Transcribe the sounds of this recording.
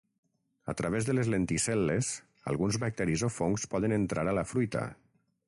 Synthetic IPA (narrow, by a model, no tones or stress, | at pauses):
ə̰t̪ɾaβ̞ezðəlezlent̪isɛlːes | a̰lˠɣunzβək̚t̪ɛɾizofoŋkspɔðənənt̪ɾaɾalafɾujt̪a̰